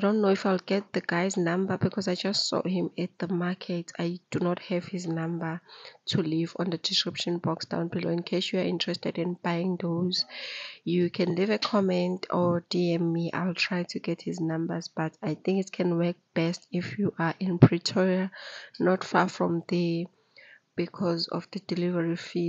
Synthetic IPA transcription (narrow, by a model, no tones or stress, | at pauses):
adõnːoifajlɡɛt̚ðəɡajznãmbəbikʰɔzajd͡ʒastsɔ̰hĩmɛt̚ðəmakʰɛtʰajd̥unɔt̚hɛv̥hiznãmbətʰulivɔ̰̃nðədiskɹipʃɔ̃nbɔksd̥ã̰ʊ̃nbiloĩnkʰeʃjuaʔĩntʰɹ̥ɛstɛdĩnbajĩŋðozjukʰɛ̃nlivɛkʰɔmɛ̃ntʰɔdiɛ̃miʔa̰jltʰɹ̥ajtʰuɡɛt̚hiznãmbəzb̥atʰajθĩŋkitkʰɛ̃nwɛk̚b̥ɛstifjuʔaʔĩnpʰɹitʰɔɹianɔtfafɹɔ̃mðɛ | b̥ikʰɔzɔ̰fdədilivɛɹifi